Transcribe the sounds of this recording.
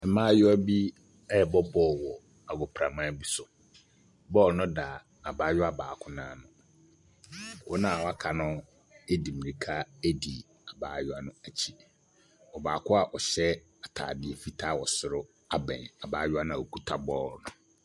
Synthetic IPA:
ɛ˨mãː˦jʊ˦æ˦bi˦ | ɛ˦˨bɔ˦bɔː˦˨wɔ˨ | a˨ɡɔ˨pʰɾa˨mã˦˨˦bi˦sʊ˨ | bɔ˦˨lnʊ̃˦da˨ | a˨baː˨˦jʊ˦a˨baː˨kʰʊ˦nãː˨˦˨nʊ̃˨ | wɔ˦nã˨wa˦kʰa˨nʊ̃˦ | e˦di˨mĩ˨ɾi˨kʰa˦e˦di˨ | a˨baː˨jʊ˦a˨nʊ̃˨æ˨t͡ɕʰi̥˦ | ɔ˨baː˨kʰʊ˦a˨ʔɔ˨ɕɛ˦ | a˨tʰa̰ː˨dɪ˨ɛ˨fi˦tʰaː˦˨wɔ˨sʊ˨ɾʊ˦ | a˨bɛ̰̃˨na˨ba̰ː˨˦jʊ˦a˦nã˨wo˨kʰu˦tʰa˦bɔ˦˨lnʊ̃˨

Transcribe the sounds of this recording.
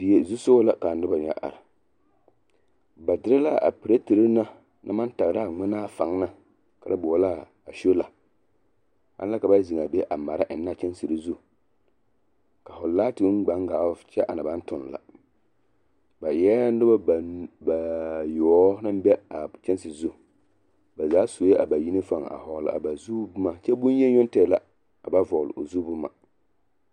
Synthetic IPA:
bi˨je˨zu˦so˦la˦ka˨nɨ˦ba˨ɲa̰˨ʔa̰˨ɾa˨ | ba˨dɪ˦ɾɨ˦la˦a̰˨pɨ˨ɾa˦ti˨ɾɨ˦na˦ | nʔa̰˦ma˦n˦ta˨ɣɾa˦˨ŋ͡mɪ˦naː˦fa˨ŋ˦na˦ | ka̰˨ɾa˦bʊ˨a˦la˦ | a˨ʃo˦la˨ | a̰˦la˦ka˨ba˦zi˨ŋa˨be˦ʔa˨ma˨ɾa˦ʔɪ˨nː˦a˦˨t͡ʃɛ˦n˦si˨ɾɨ˨zu˦˨ | ka˨fʊ˨laː˦tɪ˨˦ŋ͡m̩˦ɡ͡ba˨˦ŋ˦ɡaː˨˦t͡ʃɛ˦ʔa˨na˨ba˦n˦tʊ˨n˨la̰˨ | ba˨jɛ˦n˦dɨ˦ba˦˨ba˨jɔ˨˦nɨ˦m˦bɛ˦a˨t͡ʃɛ˦n˦sɨ˨zu˦˨ | ba˨zaː˨˦so˨˦e˦a˨ba˨ji˦ne˦fa˦˨ŋ˨a̰˨hɔ˨l̰a̰˨ba˨zu˦bʊ˦ma˨t͡ʃɛ˦bʊ˦n˦jɛ˦ɲʊ˦ntɛ˨la˦ | a˨ba˦vɔ˨l̰o˨zu˦bʊ˦ma̰˨

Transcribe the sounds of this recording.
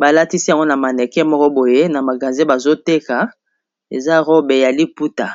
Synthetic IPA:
ba˨la˦ti˦si˦ja˨ŋɡo˦na˨ma˨nɛ˨kɛ˦mɔ˦kɔ˦bo˨je˦na˨ma˨ɡa˨nze˦ba˨zo˦te˦ka˨ | e˨za˦ʁo˦be˨ja˨li˦pu˦ta˨

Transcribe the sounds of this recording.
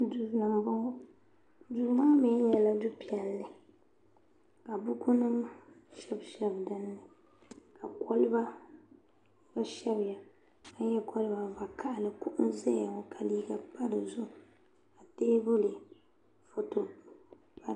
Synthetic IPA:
du˨la˨ŋ˨ba˦ | duː˨˦maː˦mɛ˦ɲɛ˨la˦du˦pi˨ɛ˨lːɨ˨ | ka˨bʊ˦ku˦nɨ˦m | ʃɛ˦bʃɛ˦bdɨ˦nːɨ˨ | ka˨kʰɔ˦lɨ˦ba˦ | ba˦ʃɛ˦bɪ˨ja˨ | ka˦ɲɛ˦kʰɔ˦lɨ˦ba˨ba˨kʰa˦ʔlɨ˨ku˦ʔʊ˦nzɛ˦a˨ŋɔ˨kʰa˨liː˦ɡa˨pa˦ɾɨ˨zʊ˦ | ka˨teː˦bʊ˦lɨ˨ | fo˦to˨ | a˨

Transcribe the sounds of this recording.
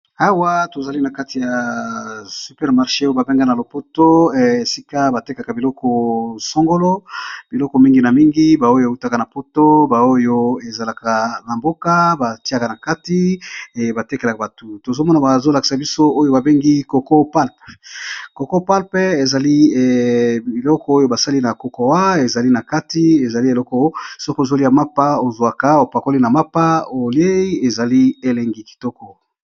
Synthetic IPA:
a˦wa˦to˨za˨li˦na˨ka˦ti˨ja˨ | sy˨pɛ˦ʁma˨ʁʃe˦o˦ba˨be˦ŋɡa˦na˨lo˨po˦to˦e˨si˦ka˦ba˨te˦ka˨ka˨bi˨lɔ˦kɔ˨so˦ŋɡo˦lo˦b̥i˨lɔ˦kɔ˨mi˦ŋɡi˨na˨mi˦ŋɡi˦ba˨o˦jo˦e˨u˦ta˦ka˨na˨po˦to˦ba˨o˦jo˦e˨za˨la˨ka˨na˨mbo˦ka˦ba˨ti˦a˦ka˨na˨ka˦ti˦e˨ba˨te˦ke˨la˨ka˨ba˨tu˨to˨zo˦mɔ˦na˨ba˨zo˦la˨ki̥˨sa˨bi˦so˦o˦jo˦ba˨be˦ŋɡi˦ko˨ko˦pa˦lpko˨ko˦pa˦lpɛ˦e˨za˨li˦˨ | i˨lɔ˦kɔ˦o˦jo˦ba˨sa˦li˦na˨ko˦kɔ˨wa˦e˨za˨li˦na˨ka˦ti˦e˨za˨li˦e˨lɔ˦kɔ˦so˦ko˦o˨zo˦li˦a˨ma˦pa˦o˨zwa˨ka˨o˨pa˨ko˦li˦na˨ma˦pa˦o˨lje˦i˦e˨za˨li˦e˦le˨ŋɡi˦ki̥˨tɔ˦kɔ˨

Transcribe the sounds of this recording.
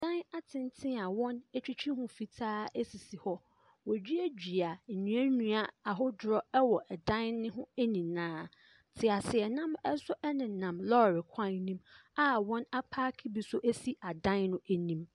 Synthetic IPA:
dã˦na˦tʰɪ̃˦n˦tʰɪ̃˦a˨wɔ̃˦nɛ˦t͡ɕᶣi˦t͡ɕʰᶣi˦hʊ̃˦fi˨tʰaː˦e˦si˨si˨hɔ˦ | wɔ˨d͡ʑᶣi˦æ˦d͡ʑᶣi˨a˨ɲũ˨˦ã˦nũ˦a˦a˨ɦɔ˦dɾɔ˦ɛ˦wɔ˨ʔɛ˨dã˦nnːɪ̃˦ɦʊ̃˦e˦nĩ˨nãː˦ | tʰɪ˨a˨sɪ˨ɛ˨nã˦mɛ˦sʊ˦ʔɛ˦nɪ̃˨nã˨mlɔ˦˨ɾɪ˨kʷʰã˦˨nnĩ˦ma˦wɔ̃˦na˦pʰaː˦kʰi˦bi˨sʊ˦ʔe˦si˦ʔa˨dã˦nnʊ̃˦ʔæ˦nĩ˦m

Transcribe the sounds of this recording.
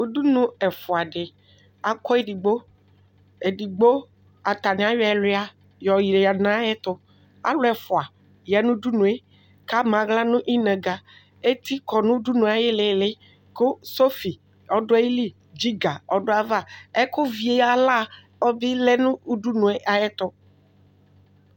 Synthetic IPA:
u˨du˦nũ˨ɛ˨fʊ˨a˨ɖɪ˨ | a˨kɔ˦e˦di˨ɡ͡bo˦ | e˨di˨ɡ͡bo˦ | a˨t̪a˨nɪ̃˨˦a˦jɔ˦ɛ˨lʊ˦a˨ | jɔ˨ji˨ɾe˨a˨nã˦ɛ˦t̪ʊ˦ | a̰˦lʊ˦ɛ˨fʊ˨a˨ | jɛ˨nũ˦du˦nũ˨e˦ | ka˦mã˨ɣla˦nũ˦ʔi˦nɛ̃˨ɡa˨ | e˦t̪i˦kɔ˨nũ˦du˦nũ˨˦a˨je˦le˨lɪ˦ | ko˦so˦fi˨ | ɔ˨ɖʊ˦e˦i˦li˦ | d͡ʒi˦ɡa˨ɔ˨ɖʊ˦a˨va˦˨ɛ˦kʊ˦vi˨e˨ja˨la˦˨ | ɔ˦bi˦le˦nũ˦u˦ɖu˦nũ˨e˦ʔa˨jɛ˦t̪ʊ˦

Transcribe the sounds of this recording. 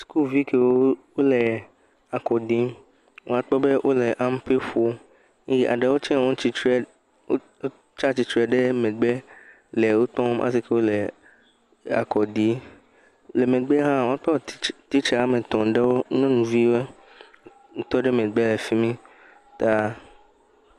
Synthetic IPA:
sku˦lvi˦ke˦wo˦wo˦lɛ˨ | a˨kɔ˨di˦m | wo̰˨a˦k͡pɔ˦be˦wʔo˦lɛ˨ʔa˦m˦pe˦fo˦ | ji˦ʔa̰˨ɖe˨wo˦t͡ʃɛ̃˦˨wõ˦t͡ʃi˦ | o˦ | o˦ | t͡ʃa˦t͡ʃi˦t͡ʃɾɛ˨ɖe˦mẽ˨ɡ͡be˦ | lɛ˨wo˦t̪ɔ̃˦mʔa̰˦s̬i˦ke˦wo˦lɛ˨ | a̰˨kɔ˨di˨˦ | le˨me˨ɡ͡be˦ɦã˦wõ˨a˦k͡pɔ˦˨t̪i˦t͡ʃa˨˦mẽ˨t̪ɔ̃˨ɖe˦wo˦nɛ̃˦nũ˨vi˦we˦ | ŋ̩˦t̪ɔ˦ɖe˦mẽ˨ɡ͡be˦lɛ˨fi˦mĩ˦ | t̪a˦

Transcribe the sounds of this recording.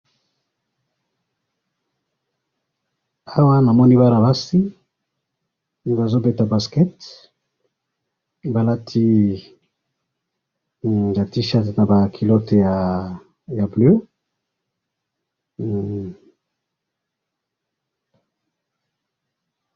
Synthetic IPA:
a˦wa˦na˨mɔ˦ni˦ba˦ɾa˨ba˦si˦˨ | ba˨zo˦be˦ta˨ba˨skɛ˦t | ba˨la˦tʰi˦ | ja˨ti˦ʃa˦tna˨ba˨kʰi˨lo˦te˨ja˨ | ja˨blø˦

